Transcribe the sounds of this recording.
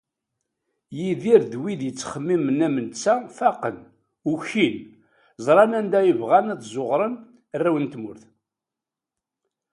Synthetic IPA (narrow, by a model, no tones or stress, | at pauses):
jiðiɾðwiðjət͡sːχəmːimənæmənt͡sːæfæqən | uçin | zˤɾˤɑnænd̪æjəvʁænæt̪zˤoʁɾˤən | rːæwənt̪mʊɾθ